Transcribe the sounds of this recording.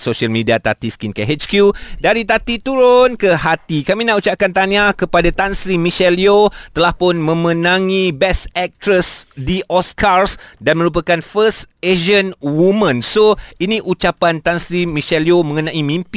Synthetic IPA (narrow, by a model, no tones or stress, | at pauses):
soʃalmidiat̪at̪iskinkeɦet͡ʃkjudaɾit̪at̪it̪uɾʊnkəhat̪ikamĩnaut͡ʃaʔkant̪aɲakəpadat̪ansɾimĩʃɛliot̪əlahpʊnmə̃mə̃nãŋĩbɛsɛk̚t̪ɾəsdiʔɔskarsdanmə̃ɾup̬akanfəseʒənwumə̃nsoinĩʔut͡ʃapant̪ansɾimĩʃɛliomə̃ŋənãʔimĩmp